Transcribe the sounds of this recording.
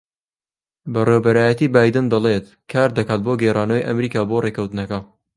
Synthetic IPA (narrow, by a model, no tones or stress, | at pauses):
bɐrewbɐɾaːjɐt̪iːbaːjd̪ɨnd̪ɐlˠet̪ | kʰaːɾd̪ɐkaːt̪̚boɡejraːnɐwijʔɐ̰mɾiːkaːboːrekʰɐwt̪ɨnɐkɐ